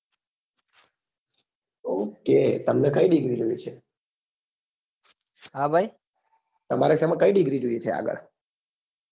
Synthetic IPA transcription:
oket̪əmnekəiɖiɡɾid͡ʒojet͡ʃʰe | ɦabʱaj | t̪əmaɾeseməkəiɖiɡɾid͡ʒoijet͡ʃʰea̰ɡə̰ɭ

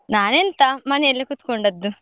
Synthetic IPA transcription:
naːnent̪amɐneelːɐkut̪ːkoɳɖɐd̪ːu

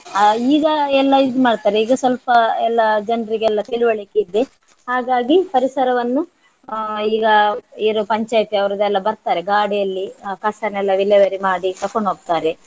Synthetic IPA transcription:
iːɡɐɛlːɐid̪umaːɖt̪aːɾeiːɡɐsʋɐlpɐɛlːɐd͡ʒɐnɾiɡeɛlːɐt̪iluʋɐɭikeid̪ːe | haːɡaːɡipɐɾisɐɾɐʋɐnːu | iːɡɐiɾupɐɲt͡ʃaːjt̪iɐʋɐɾɐd̪ɛlːɐbɐɾt̪aːɾeɡaːɽijɐlːikɐsɐnɛlːɐʋilɛʋɐɾimaːɽit̪ɐkoɳɖoɡ̚t̪aːɾe

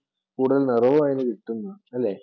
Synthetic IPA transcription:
kuːɽuðɐlnɐrɐʋuaːjinɨʋiʈːunːuɐlːeː

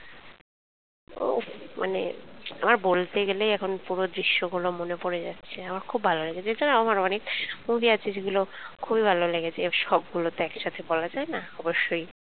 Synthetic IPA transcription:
o̰mʔa̰nḛa̰maɾbolt̪eɡeleɛkʰonpuɾod̪ɾiʃːoɡulomonepoɾed͡ʑa̰tːɕʰeamaɾkʰubʱaloleɡet͡ɕʰed͡ʑanaamaɾmanimubʱiat͡ɕʰed͡ʑeɡulokʰubibʱaloleɡet͡ɕʰeʃɔb̚ɡulot̪oɛkʃat̪ʰebɔlad͡ʑaenaɔboʃːoj

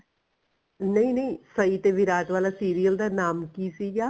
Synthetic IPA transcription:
nɐĩnɐĩsɐit̪eʋɪɾaːt̪ʋaːlasiːɾijəld̪anaːmkisiɡaː

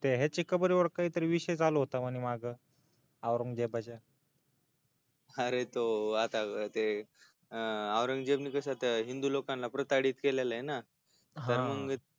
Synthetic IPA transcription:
t̪eɦet͡ɕikəbəɾiʋəɽkaɦiːt̪əɾiʋiɕejd͡zaloɦot̪aməɽ̃imaɡə | aʋɾəŋɡd͡ʑebad͡ʑa | əɾet̪oat̪at̪e | aʋɾəŋɡd͡ʑebniːkəɕat̪əɦind̪ulokãnlapɾət̪aɽiːt̪kelelaena | ɦ̪ə̃ɾməŋ

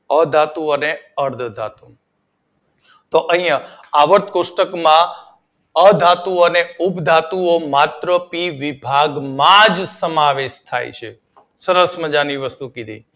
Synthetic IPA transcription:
əd̪ʱat̪ũəneəɾd̪ʱd̪ʱa̰t̪ũ | t̪oʔəɦĩja | aʋəɾt̪ʰkosʈəkmã | əd̪ʱat̪ũəneupd̪ʱat̪uomat̪ɾəpiʋibʱaɡmãd͡ʒsəmaʋeʃt̪ʰa̰jt͡ʃʰḛ | səɾəsməd͡ʒaniʋəst̪ũkid̪ʱḭ

